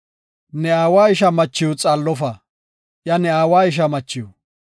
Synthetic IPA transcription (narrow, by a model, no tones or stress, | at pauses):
nɛaːwaːɪʃ̬ɐmɐt͡ʃːɪjut͡sʼalːɔfɐ | ʔjɐnɛaːwaːɪʃ̬ɐmɐt͡ʃːɪjʊ